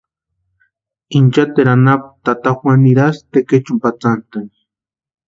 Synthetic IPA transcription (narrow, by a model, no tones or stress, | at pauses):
int͡ʃat̪eɾanap̚t̪at̪axwʷaniɾast̪eket͡ʃumpat͡sant̪an